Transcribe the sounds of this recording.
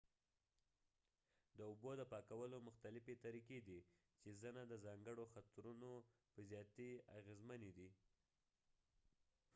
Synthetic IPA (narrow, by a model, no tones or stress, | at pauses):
d̪əʊbod̪əpɑkawəlomʊxt̪alɪfet̪aɾiked̪i | t͡ʃezənad̪əzɑŋɡəɽoxat̪ɾunopəzjɑt̪ia̰ɣezməned̪i